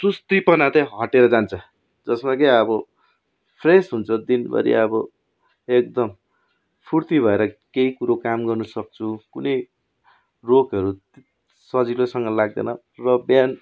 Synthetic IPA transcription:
sust̪ipʌnat̪ʌɦʌʈeɾʌd͡zant͡sʰʌ | d͡zʌsmakeʌbʌ | pʰresɦunt͡sʰʌd̪inbʱʌ̰ɾḭʌbʌ | ek̚d̪ʌm | pʰurt̪ibʱʌeɾʌkeikuɾokamɡʌrnʌsʌk̚t͡sʰukunʌj | rokʌɾu | sʌd͡zilosʌŋɡʌlaɡ̚d̪ḛnʌ | rʌbjan

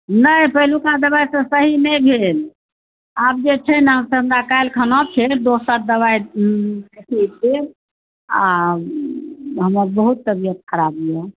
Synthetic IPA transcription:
nəjpəɦilukad̪əbajsə̃səɦinəjbʱel | ab̚d͡ʒet͡ʃʰɛnɦəmsə̃ɦəmɾakajlkʰənɔt͡ʃʰed̪osəɾd̪əβajt̪esid̪eɾ | a̰ | ɦəməɾbəɦut̪ːəbijət̪̚kʰəɾabijɛ

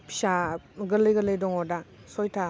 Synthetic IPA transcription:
pʰi̥saɡəlɯjɡələjdɔŋɔda | sɔjtʰa

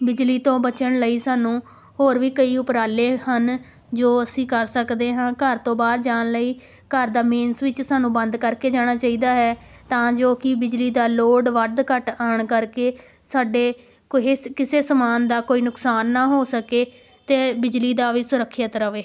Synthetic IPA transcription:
bɪd͡ʒliːt̪õːbət͡ʃəɳləiːsaːnũː | ɦoːɾʋiːkəiːʊpɾaːleːhən | d͡ʒoːəsĩːkəɾsəkd̪eːɦãːkəɾt̪õːbaːɾd͡ʒaːɳləiː | kəɾd̪aːmẽːnsʋɪt͡ʃsaːnũːbənd̪kəɾkeːd͡ʒaːɽ̃aːt͡ʃaːiːd̪aːɦɛːt̪ãːd͡ʒoːkɪbɪd͡ʒliːd̪aːloːɖʋəd̪kəʈaːɳkəɾkeː | saːɖeː | kekɪseːsəmaːnd̪aːkoːiːnʊksaːnːaːɦoːsəkeː | t̪eːbɪd͡ʒliːd̪aːʋiːsʊɾəkʰːət̪ɾəʋeː

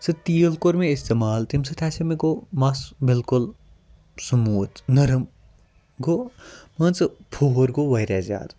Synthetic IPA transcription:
sɨt̪iːəlkoɾmẽɪst̪eːmaːlt̪imsɨt̪ʰɛːsɐmẽkomɐsbɪlkʊl | sɐmuːt̪ʰnɐɾɐm | ɡomɐnt͡sɨpʰoɦɾɡoʋɐjɾɛːza̰ːd̪

